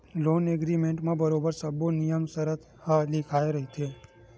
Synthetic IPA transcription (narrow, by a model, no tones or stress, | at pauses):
loːneɡɾimẽɳʈmãbəɾobəɾsəbonijəmsəɾət̪ʰ | halɪkʰaeɾɐɦit͡ʃ̪ʰe